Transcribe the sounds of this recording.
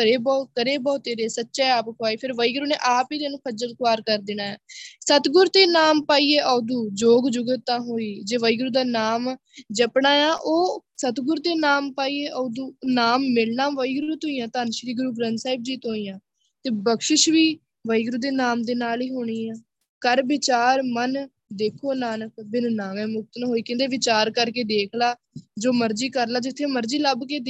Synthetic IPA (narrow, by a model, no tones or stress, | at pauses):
əɾeːbɔːkəɾeːbɔːt̪eːɾeːsətːʃaːaːpkʰoaːiːpʰɪɾʋəiːɡɾuːneːʔaːpiːt̪enũːkʰəd͡ʒəlkaːɾkəɾd̪ɪnaːɛːsət̪ɡʊɾt̪eːnaːmpaːiːeːʔɔːd̪uːd͡ʒoːɡd͡ʒʊɡət̪ːãːɦoːiːd͡ʒeːʋəiːɡɾuːd̪aːnaːm | d͡ʒəpɳaːjãːʔoːsət̪ɡʊɾt̪eːnaːmpaːiːeːʔɔːd̪uːnaːmːɪlnãːʋəiɡɾɾuːt̪oːiːãːt̪aːnʃɾiːɡʊɾuːɡɾənsaːɪb̚d͡ʒiːt̪oːiːjãː | t̪eːbəkʃɪʃʋiː | ʋəiːɡɾuːd̪eːnaːmd̪eːnaːliːɦoːɽ̃iːãː | kəɾʋɪt͡ʃaːɾmən | d̪eːkʰoːnaːnəkbɪnnaːmɛ̃ːmʊk̚t̪nɦoːiːkẽnd̪eːʋɪt͡ʃaːɾkəɾkeːd̪eːkʰlaː | d͡ʒoːməɾd͡ʒiːkəɾlaːd͡ʒɪt̪ʰːẽːməɾd͡ʒiːləbkeːd̪